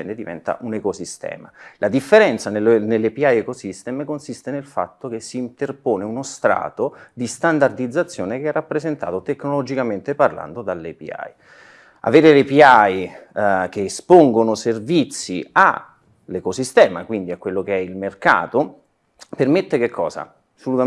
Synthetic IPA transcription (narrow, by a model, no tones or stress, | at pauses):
ɛnd̪ed̪ivɛ̰nt̪a̰ʔunekosist̪ɛ̰ːma̰lʔad̪ifːeɾɛnt̪sanelnelːepiajekosist̪ɛːmekonsist̪enelfa̰t̪ːok̟esːiːnt̪erpoːneunost̪ɾa̰ːt̪od̪ist̪and̪ard̪id̪zːat̪sːjoːnekeɛrːapːɾezent̪a̰ːt̪ot̪ekːnolod͡ʒikament̪eparla̰nd̪od̪alːepḭa̰j | a̰veːɾelepiaj | kespoŋɡonoservit̪sːia̰ | lekosist̪ɛːma̰kwind̪iakwelːokeɛilmerka̰ːt̪o | permet̪ːekekʰːɔ̰ːza̰ | solut̪a